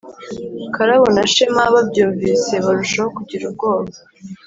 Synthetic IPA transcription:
kaɾaβonaʃemaβabɟuːɱviːse̞βaɾuʃahokuɟiɾubɡo̞ːβa

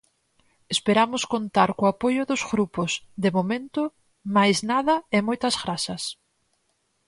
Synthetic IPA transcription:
espeɾamʊskont̪aɾkoapojʊðʊzɣɾupʊsðɪmomẽnt̪ʊ | majznaðɐɪmojt̪ɐzɣɾasɐs

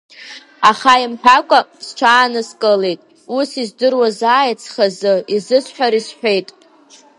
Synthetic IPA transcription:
aχaimħʷᶣakʷʼasʈ͡ʂʷʰaːnɨskʼəlejtʼ | usizdɨrwazaːjat͡sʰχazɨizɨsħʷᶣaɾisħʷᶣejtʼ

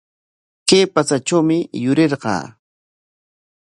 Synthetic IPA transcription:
keːpat͡sat͡ʃawmɪjʊɾeɾɢɑ̰ː

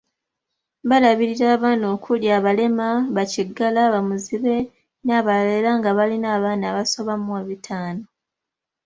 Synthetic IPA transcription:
βalaβiɾiɾaːβaːno̞ːkʰuljaːβale̞maβaciɡːalaβamuziβe̞ | naːβalelaŋɡaβalinaːβaːnaːβaso̞βamueβitʰaːno̞

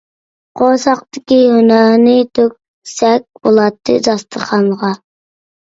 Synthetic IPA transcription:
qʰosɑqt̪ɪkʲihynɑɾnɪt̪ʰøk̚ʲ | sɛk̚ʲbolˠɑt̪ʰːɨ̰d̪ɑst̪ʰəχʰɑnʁɑ

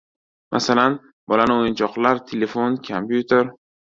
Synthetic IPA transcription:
mʔa̰salan | bɒlanɪojɪnt͡ʃʰɒqlˠaɾt̪ʰelefonkʰampjut̪ʰeɾ

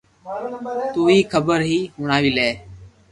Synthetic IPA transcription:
t̪uːiːkʰəbəɾɦiːɦʊɳaːʋiːleː

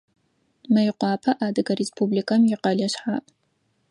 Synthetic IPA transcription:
mɐjqʷɑːpʰɐʔaːdɨɡɐɾespʰublikʰɐmjɪqɐɮɐɕħa̰ːʔʼ

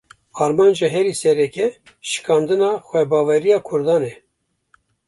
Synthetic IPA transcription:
ɑːɾmɑːnd͡ʒeɦɛɾisɛɾɛkɛ | ʃɨ̥kɑːnd̪ɨnɑːxʷɛbɑːvɛɾijɑːkʰʊɾd̪ɑːnɛ

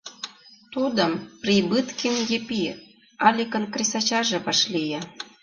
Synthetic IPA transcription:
t̪ud̪ə̆mprʲibɨt̪kinjepi | ɑlʲikə̆nkrʲis̬ɑt͡ɕɑʒĕβɑʃlijɑ

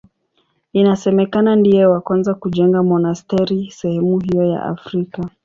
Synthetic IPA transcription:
inasɛmɛkanandijɛwakwanzakuʄɛŋɡamɔnastɛɾisɛhɛmuɦijɔja̰ʔa̰fɾika

